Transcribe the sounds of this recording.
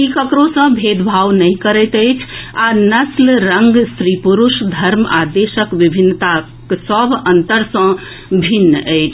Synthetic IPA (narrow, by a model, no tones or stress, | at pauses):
ikəkɾosə̃bʱed̪bʱawnəĩkəɾɛt̪əjt͡ʃʰanəslɾəŋɡsɾipuɾuʃd̪ʱəɾma̰d̪esəkʋibʱinːət̪a | ksəbʱənt̪əɾsə̃ | bʱinːəjt͡ʃʰ